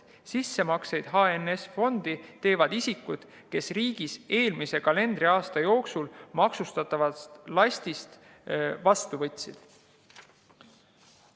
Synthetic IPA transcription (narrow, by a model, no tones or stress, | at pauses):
sisːe̞mɑksejd̪̥ɦɑenesfo̞nd̪̥it̪e̞ːvɑd̪̥isikːud̪̥ | ke̞sriːɡ̥ise̞ːlmise̞kɑle̞nd̪riɑːst̪ɑjo̞ːksulmɑksust̪ɑt̪ːˑɑvɑt̪lɑsʲt̪ʲist̪ | vɑst̪uvɤt̪ʲˑsid̪̥